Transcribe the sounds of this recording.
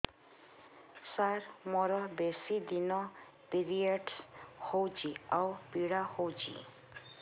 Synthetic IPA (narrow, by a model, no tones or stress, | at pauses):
saɾmɔɾɔbesid̪inɔ | piɾieɖshowd͡ʒiawpiɽahowd͡ʒḭ